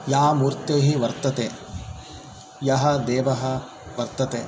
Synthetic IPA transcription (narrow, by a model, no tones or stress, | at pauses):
jaːmuːɾt̪eːɦiʋɐɾt̪ɐt̪eː | jɐɦɐd̪eːʋɐɦɐ | ʋɐɾt̪ɐt̪eː